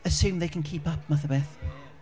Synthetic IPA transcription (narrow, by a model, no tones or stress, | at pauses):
əsʉ̃ːmðeɪkʰə̃nkʰiːˑpʌp̚ʰmaθəbɛθ